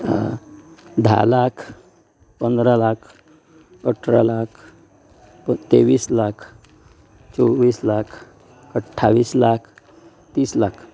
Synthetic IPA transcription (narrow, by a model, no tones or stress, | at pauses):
d̪ʱa̰lakʰ | pənd̪ɾalakʰ | əʈʰɾa̰lakʰ | ət̪eʋiːslakʰ | t͡sɔʋiːslakʰ | əʈʰːaʋiːslakʰ | t̪iːslakʰ